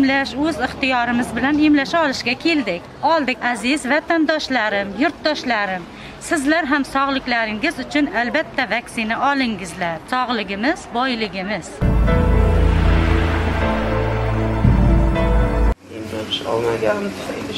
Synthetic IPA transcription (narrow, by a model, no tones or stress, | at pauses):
mlaʃɵzɪχt̪ɪjɒɾɪmɪzbɪlanemlaʃaɒlɪʃɡʲakʲʰe̞ld̪ɪkʲɒlˠd̪ɪkʲazɪzvat̪ʰand̪ɒʃlaɾɪmjʊɾt̪d̪ɒʃlaɾɪm | sɪzlaɾɦamsɒʁlˠɪkʲlaɾɪŋɪzʊt͡ʃʰʊnalbat̪ʰːavaksɪnaʔɒlˠɪŋɪzlaɾsɒʁlˠɪɡʲɪmɪz̥bɒjlɪɡʲɪmɪz̥ | ɪmlapɪʃɒ̰lˠmaɡʲant̪ʃa̰jd̪ɪ